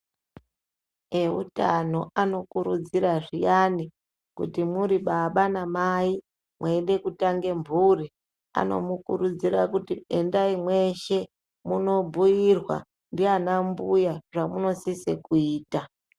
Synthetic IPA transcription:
eṵtano̞ano̞kuɾud͡ziraʐijani | kṵtimuɾiɓaɓanamai | mweɗe̞kutaŋɡe̞mbʱuri | a̰no̞̰mukuɾud͡ziɾakutiendaimwe̞ʃe̞ | muno̞bʱujirwa̰ | ndianambujaʐamuno̞sisekuiːta

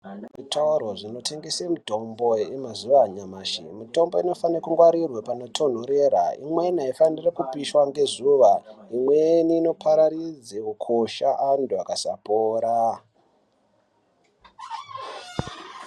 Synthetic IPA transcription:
ʐitʰoɾo̞ʐino̞te̞ŋɡesemuto̞mboeemazuʋaɲamaːʃḭmito̞mbo̞ino̞fanrekuŋɡwaɾirwepano̞tʰo̞n̤oɾeɾa̰ḭmwe̞naifanirekupiʃwaŋɡe̞zuʋaimweniːno̞pʰaɾaɾid͡zeukʰoʃaʔanduakasa̰poːɾa

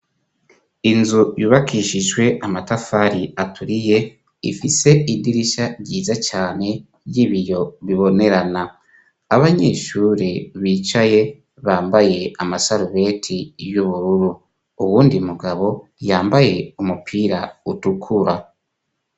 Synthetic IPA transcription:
inzujuːβakiʃiʒɡwe̞amatafaɾiatʰuɾije̞ | ḭfise̞idiɾiʃaɾɟiːzat͡ʃaːne̞ | jiβijo̞βiβo̞ne̞ɾana | aβaɲe̞̰ːʃuːɾiβiːt͡ʃaje̞ | βaːmbaje̞amasaɾuβe̞tʰijuβuɾuɾu | uwuːndimuɡaβo̞jaːmbaje̞umupʰiːɾautukʰuɾa

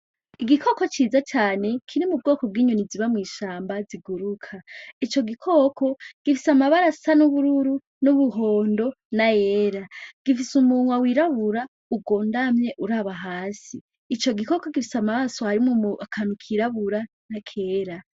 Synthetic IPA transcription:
iɡikʰo̞ko̞t͡ʃiːzat͡ʃaːne̞kʰiɾimub̚ɡo̞ːko̞b̚ɡiːɲuniziβamŋiːʃaːmbaziɡuɾukʰait͡ʃo̞ɡikʰo̞ːkʰo̞ɡ̥ifisamaβaɾasanuβuɾuɾu | nuβuɦo̞ːndo̞ | najeːɾaɡ̥ifisumuŋwawiɾaβuɾa | ub̚ɡo̞ːndamɲe̞ʔuɾaːβaɦaːsiː | t͡ʃo̞ɡiko̞ko̞ɡifisamaβaasohaɾimumakʰanukʰiɾaβuɾa | nakʰe̞ːɾa

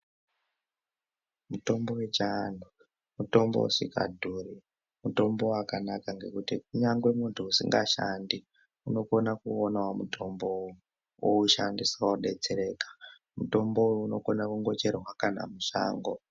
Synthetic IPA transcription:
muto̞mbo̞we̞t͡ʃanʱu | muto̞mbo̞̰ṵʂika̰dʱuːɾi | muto̞mbo̞akanakaŋɡe̞kutikuɲaŋɡwemuntʰuusḭŋɡaʃandi | uno̞ko̞nakuonawamuto̞mboju | wouʃandisawoɗe̞t͡se̞ɾe̞kḁ | muto̞mboujuno̞ko̞nakuŋɡo̞t͡ʃerwakana̰muʂa̰ːŋɡo̞

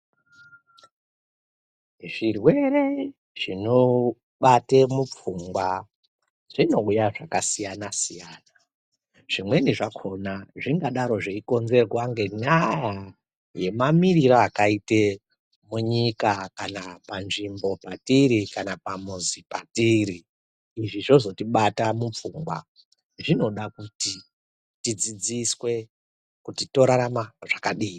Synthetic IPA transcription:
ʐirwe̞ɾe̞ | ʐ̥ino | ɓatemup͡fuŋɡwa | ʐ̥ino̞ujaʐakasijanasijaːna | ʐ̥imwe̞niʐakʰo̞naʐiŋɡaɗaɾo̞ʐeiko̞nze̞rwaŋɡe̞ɲaja | je̞mamiriɾoakaite | muɲikakanapanʐimbo̞patiɾikanapamuzipatiɾiː | ʐiʐo̞zo̞tiɓatamup͡fuːŋɡwa̰ | ʐino̞ɗakuti | tid͡zid͡ziswe̞ | kutito̞ɾaɾamaʐ̥akaɗiː

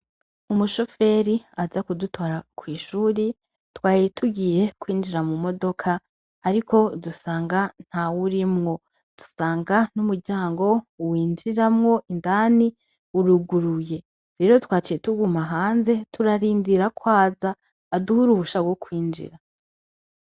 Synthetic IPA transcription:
umuʃo̞fe̞ɾiazakudutʰoɾakʰwiːʃuːɾi | twaːjitʰuɡiːje̞kwiːnd͡ʒiɾamumo̞do̞kʰaː | ɾiko̞dusaːŋɡan̥hawuɾimŋo̞ | d̥u̥saːŋɡanumuɾɟaːŋɡo̞wiːnd͡ʒiɾamŋo̞ʔindani | uɾuɡuɾuje̞ | ɾe̞ːɾo̞twaːt͡ʃijetuɡumaɦaːnze̞tuɾaɾiːndiɾakwaːzaː | duhuɾuhuʃawo̞kʰwiːnd͡ʒḭɾa

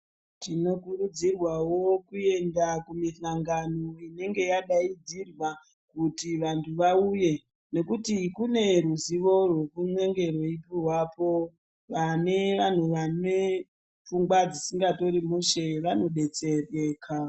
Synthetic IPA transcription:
tino̞kurud͡zirwawo̞kue̞ndakumiɬaŋɡanoine̞ŋɡe̞jaɗaid͡zirwa | kutiʋantʰuʋauje̞ | ne̞kutikune̞ruziʋo̞rwe̞kumweŋɡe̞rweipiwapo̞ | ʋane̞ʋan̤uʋane | p͡fuŋɡwad͡zisiŋɡato̞ɾimuʃe̞ʋano̞ɗe̞t͡se̞re̞ːkʰa

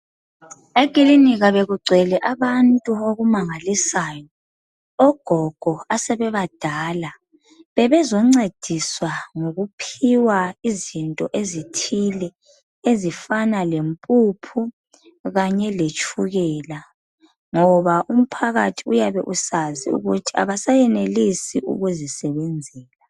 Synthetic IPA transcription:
eɡ̥ʼiliniɣaβeɣuɡ͡ǀʱɛlɛʔaβantʼuoɣumaŋalisaːjɔ | ɔɡ̥ʱɔɡ̥ʱɔasɛβɛβad̥ʱaːla | βɛβɛzɔŋ͡ǀed̥ʱiswaŋoɣupʰiwaizintʼɔʔezitʰilɛ | ezifanalempʼupʰu | ɣaɲɛlet͡ʃʼʰuɣɛːla | ŋɔβaʔum̩pʰaɣatʰiujaβɛʔusazḭṵɣutʰia̰βasajɛnelisiʔṵɣuzisɛβɛnd͡zʱɛːla

